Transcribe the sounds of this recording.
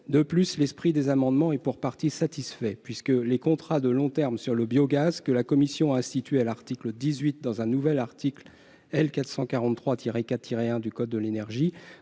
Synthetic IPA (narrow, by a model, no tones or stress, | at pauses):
d̪əplyslɛspχid̪ezamɑ̃d̪mɑ̃ɛpuʁpaʁt̪isat̪isfɛpɥiskəlekɔ̃t̪χad̪əlɔ̃t̪ɛʁmsyʁləbjoɡazkəlakɔmisjɔ̃aɛ̃st̪it̪ɥealaʁt̪ikləd̪izɥit̪̚d̪ɑ̃zɛ̃nuvɛlaʁt̪ʰikl | ɛlkat̪sɑ̃kaʁɑ̃t̪ːχwat̪ʰiʁekatt̪ʰːiʁeɛ̃d̪ykɔd̪ːəlenɛʁʒi